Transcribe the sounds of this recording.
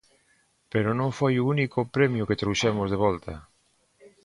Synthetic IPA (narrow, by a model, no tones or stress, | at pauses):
peɾʊnõŋfojuunikʊpɾɛmjʊket̪ɾowʃɛmʊzðeβ̞ɔlt̪ɐ